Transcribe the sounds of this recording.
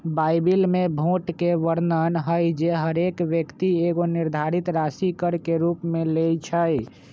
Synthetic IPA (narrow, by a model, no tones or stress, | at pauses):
bajbilmebʱoʈkeʋəɾnənɦəjd͡ʒeɦəɾekʋjəkt̪ieɡoniɾd̪ʱaɾit̪ɾasikəɾkeɾupmelejt͡ʃʰəj